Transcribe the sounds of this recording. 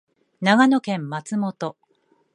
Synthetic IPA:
naɡano̞kẽ̞mːat͡sɨmo̞t̪o̞

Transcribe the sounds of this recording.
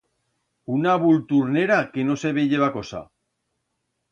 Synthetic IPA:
unaβult̪uɾneɾakeno̞seβeʎeβako̞sa̰

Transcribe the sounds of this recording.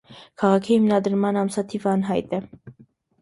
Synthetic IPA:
kʰɑʁɑkʰihimnɑd̪ɾmɑnɑmsɑt̪ʰivɑnɦɑjt̪ɛ

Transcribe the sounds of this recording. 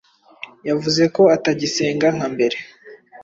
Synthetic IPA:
javuze̞ko̞ataɟise̞ːŋɡaŋ̥ambe̞ɾe̞

